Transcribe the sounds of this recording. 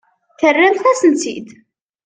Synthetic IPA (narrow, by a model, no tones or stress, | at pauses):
θərːæmθæsənt͡sḭd̪